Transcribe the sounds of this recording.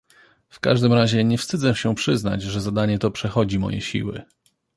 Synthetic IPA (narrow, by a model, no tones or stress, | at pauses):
fka̰ʐd̪ɘmɾaʑɛɲɛfst̪ɘd̪zɛɕɛpʂɘzna̰t͡ɕʐɛzad̪aɲɛt̪ɔpʂɛxɔd͡ʑimɔ̰jɛ̰ɕḭwɘ̰